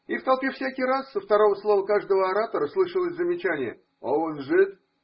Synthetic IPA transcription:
ift̪ɐlˠpʲefsʲakʲijrasːəft̪ɐɾo̞vəslˠo̞vəkaʐd̪əvəɐɾat̪oɾəslˠɨʂəlˠəsʲzəmʲɪt͡ɕænʲɪjə̰ | oonʐɨt̪̚

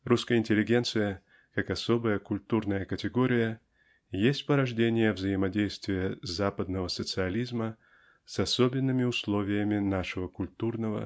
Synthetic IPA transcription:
ruskəjəɪnʲtʲɪlʲːɪɡʲe̞nt̪sɨjə | kakɐso̞bəjəkʊlʲt̪urnəjəkətʲɪɡo̞ɾʲɪjə | jesʲtʲpəɾɐʐdʲenʲɪjəvzəjɪmɐdʲejst̪vʲɪjəzapəd̪̚nəvəsət̪sɨɐlʲizmə | sɐsobʲɪnːɨmʲɪʊslˠo̞vʲɪjəmʲɪnaʂɨvəkʊlʲt̪urnəvə̰

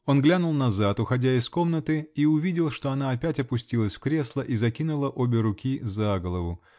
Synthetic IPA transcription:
o̞nɡlʲanʊlˠnɐzat̪ʊxɐdʲaɪsko̞mnət̪ɨiʊvʲidʲɪlˠʂt̪o̞ɐn̪aɐpʲætʲɐpʊsʲtʲilˠəsʲfkɾʲe̞slˠəʔizɐkʲinʊlˠəʔo̞bʲɪɾʊkʲizaɡəlˠəvʊ

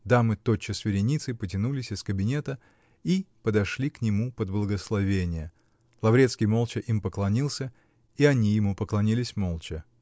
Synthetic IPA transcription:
d̪amɨt̪ot͡ɕːɪsvʲɪɾʲɪnʲit̪sɨpətʲɪnulʲɪsʲɪskəbʲɪnʲet̪ə | ipəd̪ɐʂlʲiknʲɪmupəd̪blˠəɡəslˠɐvʲenʲɪjə | lˠɐvɾʲet̪skʲɪjmolˠt͡ɕɪʔimpəklˠɐnʲilˠsʲə | iɐnʲijɪmupəklˠɐnʲilʲɪsʲmolˠt͡ɕɪ

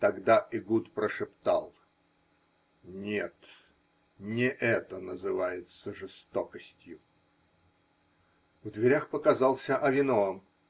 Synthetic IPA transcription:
t̪ɐɡd̪aʔɪɡut̪pɾəʂɨpt̪alˠ | nʲet̪ | nʲɪʔɛt̪ənəzɨvajɪt̪səʐɨst̪okəsʲtʲjʊ | vd̪vʲɪɾʲaxpəkɐzɑlˠsʲəʔɐvʲɪnoəm

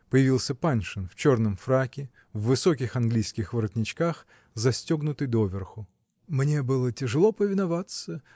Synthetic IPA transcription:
pəjɪvʲilˠsʲəpanʲʂɨnft͡ɕornəmfɾakʲɪ | vːɨso̞kʲɪxanɡlʲijskʲɪxvəɾət̪ʲnʲɪt͡ɕkax | zɐsʲtʲoɡnʊt̪ɨjd̪ovʲɪrxʊ | mnʲe̞bɨlˠətʲɪʐɨlˠopəvʲɪnavat̪sə

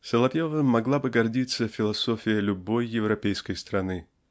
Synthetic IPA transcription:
səlˠɐpʲjevəmːɐɡlˠabɨɡɐrdʲit̪səfʲɪlˠɐsofʲɪjəlʲʊbo̞jːɪvɾɐpʲejskəjst̪ɾɐnɨ

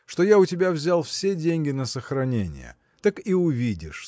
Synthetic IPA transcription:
ʂt̪o̞jaʊtʲɪbʲavzʲalˠfsʲedʲenʲɡʲɪnəsəxɾɐnʲenʲɪ̰jə̰ | t̪akiʊvʲidʲɪʂ

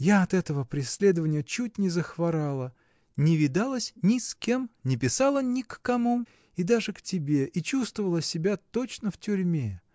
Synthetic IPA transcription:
jaɐt̪ɛt̪əvəpɾʲɪsʲlʲe̞d̪əvənʲɪjət͡ɕut̚ʲnʲɪzəxvɐɾalˠə | nʲɪvʲɪd̪alˠəsʲnʲɪskʲe̞mnʲɪpʲɪsalˠənʲɪkːɐmu | id̪aʐɨktʲɪbʲe̞ʔit͡ɕust̪vəvəlˠəsʲɪbʲat̪ot͡ɕnəftʲʊɾʲmʲe

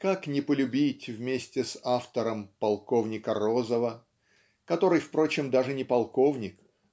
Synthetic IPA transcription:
kaknʲɪpəlʲʉbʲitʲvmʲesʲtʲɪsaft̪əɾəmpɐlˠko̞vnʲɪkəro̞zəvə | kɐt̪o̞ɾɨjfpɾo̞t͡ɕɪmd̪aʐɨnʲɪpɐlˠko̞vnʲɪk

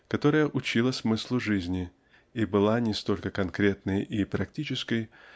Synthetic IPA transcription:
kɐt̪o̞ɾəjəʔʊt͡ɕilˠəsmɨslˠʊʐɨzʲnʲɪ | ibɨlˠanʲɪst̪o̞lʲkəkɐnkɾʲe̞t̪nəjʔipɾɐktʲit͡ɕɪskəj

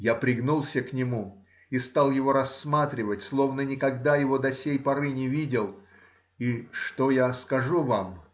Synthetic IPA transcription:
japɾʲɪɡnulˠsʲəknʲɪmu | ist̪alˠjɪvo̞ɾɐsːmat̪ɾʲɪvətʲslˠo̞vnənʲɪkɐɡd̪ajɪvo̞d̪ɐsʲejpɐɾɨnʲɪvʲidʲɪlˠ | iʂt̪ojaskɐʐuvam

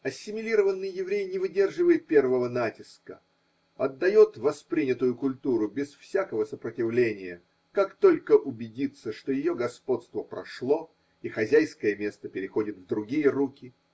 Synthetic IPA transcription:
ɐsʲːɪmʲɪlʲiɾəvənːɨjːɪvɾʲejnʲɪvɨdʲe̞rʐɨvəjɪt̪̚pʲe̞rvəvənatʲɪskə̰ | ɐd̪ːɐjo̞t̪vɐspɾʲinʲɪt̪ʊjʊkʊlʲt̪uɾʊbʲɪsfsʲakəvəsəpɾətʲɪvlʲenʲɪjə | kakt̪o̞lʲkəʔʊbʲɪdʲit̪sːəʂt̪ojɪjo̞ɡɐspo̞t̪st̪vəpɾɐ̰ʂlˠo̞ | ixɐzʲæjskəjəmʲe̞st̪əpʲɪɾʲɪxo̞dʲɪt̪vd̪ɾʊɡʲijərukʲɪ

